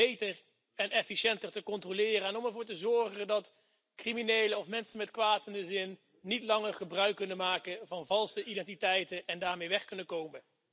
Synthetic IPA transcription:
bejtər | ɛnɛfiʃɛntərtəkɔntrolɪːrənɔmɛɹvʊːɹtəzɔɹχəndɑt | kriminejləɔfmɛnsənmɛtkʋaːtəndəzɪnː | itlɑŋərχəbrœɥkːɵnənmaːkənvɑnvɑlˠsəʔidɛntitɛjtənɛndaːɹmejʋɛχkɵnənkowmən

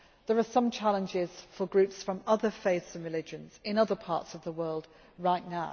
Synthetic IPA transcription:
ðəɹəsʌ̃mt͡ʃʰalə̃nd͡ʒɪz̥fəɡɹʉˑpsfɹə̃mʌðəfeɪθz̥ə̃nɹɪlɪd͡ʒə̃nz̥ɪ̃nʌðəpʰɑ̰ˑtsəvðəwɜːlˠd | ɹaɪʔnaʊ

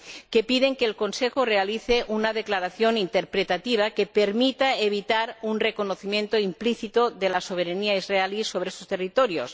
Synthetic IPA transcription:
kepiðeŋkeːlko̞nsexore̞aliθeʔunað̞eklaɾaθjo̞nint̪eɾpɾet̪at̪iβ̞akepeɾmit̪aeβ̞it̪aɾunreko̞noθimje̞nt̪oimpliθit̪oðelaso̞β̞eɾaniaizrealiso̞β̞ɾeest̪ost̪erit̪oɾjos

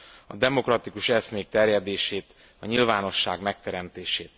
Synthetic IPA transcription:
ɒ̰d̪ɛmo̞krɒt̪ikuʃɛsmeːk̚t̪ɛrjɛd̪eːʃeːt̪ | ɒɲilvaːno̞ʃːaːɡmɛk̚t̪ɛɾɛmt̪eːʃeːt̪

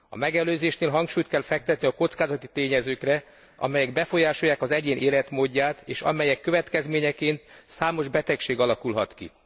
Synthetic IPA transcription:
ɒ̰mɛɡɛløːzeːʃneːlɦɒŋkʃuːjt̪̚kɛlfɛk̚t̪ɛt̪niɒko̞t̪skaːzɒt̪it̪eːɲɛzøːkrɛ | ʔɒ̰mɛjɛɡ̚bɛfo̞jaːʃo̞jːaːkɒzɛɟeːnʔeːlɛt̪moːɟːaːt̪eːʃɒ̰mɛjɛkːøvɛt̪kɛzmeːɲɛkeːnt̪saːmo̞ʒbɛt̪ɛkʃeːɡɒlɒkulɦɒt̪kḭ

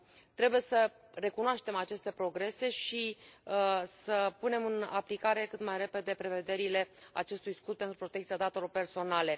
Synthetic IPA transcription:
t̪ɾe̞buje̞sə | re̞kunoaʃt̪e̞mat͡ʃe̞st̪e̞pɾo̞ɡɾe̞se̞ʃi | səpune̞mɨna̰plikaɾe̞kɨt̪majre̞pe̞d̪e̞pɾe̞ve̞d̪e̞ɾile̞a̰t͡ʃe̞st̪ujskut̪̚pe̞nt̪ɾupɾo̞t̪ekt̪sijad̪at̪e̞lo̞rpe̞rso̞nale̞

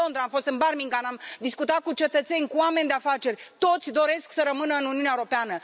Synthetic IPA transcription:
o̞nd̪ɾaamfo̞st̪ɨnbarmiŋɡanamd̪iskut̪at̪̚kut͡ʃe̞t̪ət̪se̞nʲkuame̞nʲd̪eafat͡ʃe̞rʲt̪o̞t̪sʲd̪o̞ɾe̞sksəɾəmɨnəɨnuniuneaewuɾo̞peanə

